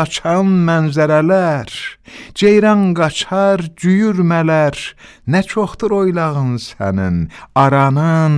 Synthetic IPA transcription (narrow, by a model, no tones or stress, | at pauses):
ɑt͡ʃʰɑnmænzæɾælæɾd͡ʒejɾɑŋɡɑt͡ʃʰɑɾd͡ʒyjyɾmælæɾnæt͡ʃʰoχd̪ɯɾo̞jlˠɑʁɯnsæ̰nḭnɑɾɑnɯn